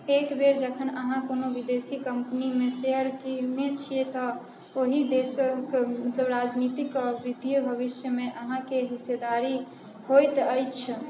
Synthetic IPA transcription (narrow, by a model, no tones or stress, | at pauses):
ekbeɾd͡ʒəkʰənəɦãkonobid̪esikəmpənimeseɦəɾkinet͡ʃʰiet̪ɔ | oɦid̪esəkmət̪ləbɾad͡ʒnit̪ikʋid̪ʱijbʱəbisjəmeʔəɦãkeɦised̪aɾi | hojt̪əjt͡ʃʰ